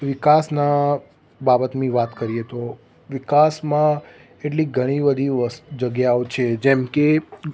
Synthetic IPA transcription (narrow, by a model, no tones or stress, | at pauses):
ʋɪkasna | babət̪mĩʋat̪kəɾijet̪o | ʋɪkasmã | eʈliɡʱəɽ̃ibəd̪ʱiʋəsd͡ʒəɡjaot͡ʃʰed͡ʒɛmke